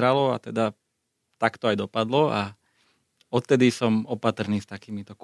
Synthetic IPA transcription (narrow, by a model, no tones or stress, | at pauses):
ɾalɔa̰t̪ɛd̪a | t̪akt̪ɔajd̪ɔpad̪lɔa | ɔt̪t̪ːɛd̪isɔmɔpat̪r̩niːst̪akiːmit̪ɔk